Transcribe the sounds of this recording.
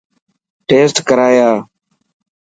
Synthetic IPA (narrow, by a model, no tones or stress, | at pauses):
ʈeːsʈkəɾaːjaː